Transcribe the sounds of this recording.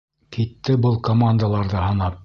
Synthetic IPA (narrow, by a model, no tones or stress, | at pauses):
kʰit̪ːɘbɤlˠkomand̪əlˠɑɾðɤhɤ̆nɑp̚